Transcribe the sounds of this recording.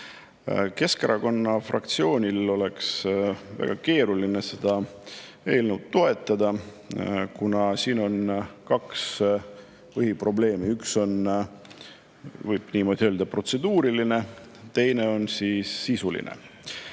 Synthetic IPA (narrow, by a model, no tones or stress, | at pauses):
ke̞skeɾɑko̞nːɑfrɑ̰k̚t̪sio̞ːnʲilo̞le̞ksvæ̰ɡ̥ɑke̞ːɾuline̞se̞d̪̥ɑ | e̞ːlnuwd̪̥t̪ːo̞e̞t̪ːˑɑd̪ɑ | kunɑsiːno̞nkɑks | pɤɦipro̞ble̞ːmiykso̞n | vɯjb̥niːmo̞ːd̪̥ʲiøːld̪ɑpro̞t̪se̞d̪uːɾiline̞ | t̪e̞jne̞o̞nsiːsːisulḭnʔḛ